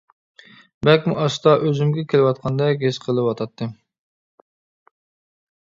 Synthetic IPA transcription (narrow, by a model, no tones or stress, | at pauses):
bɛkʲmuʔɑʃt̪ɑʔøzymɡʲɛkʲʰelɪwɑt̪̚qʰɑnd̪ɛɡʲesqʰəlˠɨwɑt̪ʰɑt̪ʰːɨ